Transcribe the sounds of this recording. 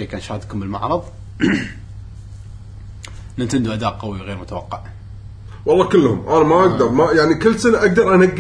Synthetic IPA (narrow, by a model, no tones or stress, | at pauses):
eːkaːnʃaːhd̪kʊmbəlma̰ʕɾˤɑðˤ | nɪt̪and̪uʔad̪aːʔqawiɣeːɾmʊt̪awɑqːɑʕ | wɑlˤːɑːkəlːhʊ̰mʔanamaʔaɡd̪ɑɾˤmajaʕnikɪlːsanaʔaɡ̚d̪ɑɾˤʔanaɡː